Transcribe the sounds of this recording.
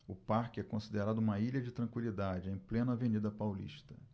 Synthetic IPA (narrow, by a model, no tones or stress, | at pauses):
ʊpaɾkɪɛkõsid̪eɾad̪ʊũmɐiʎɐd͡ʒɪt̪ɾɐ̃kwilid̪ad͡ʒɪẽj̃plẽnɐvenid̪ɐpawlḭʃt̪ɐ